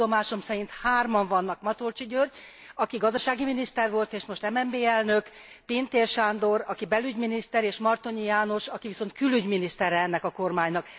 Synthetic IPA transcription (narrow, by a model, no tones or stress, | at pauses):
o̞maːʃo̞msɛɾint̪haːrmɒɱvɒnːɒkmɒt̪olt͡ʃiɟør | ɒkiɡɒzd̪ɒʃaːɡiminist̪ɛrʋo̞lt̪eːʃmo̞ʃt̪ɛmɛmbeːɛlnøk | peːnt̪eːrʃaːnd̪o̞ɾɒkibɛlyɟminist̪ɛɾeːʃmɒrt̪oɲijaːno̞ʃɒkiviso̞nt̪kylyɟminist̪ɛɾɛɛnːɛkɒko̞rmaːɲnɒk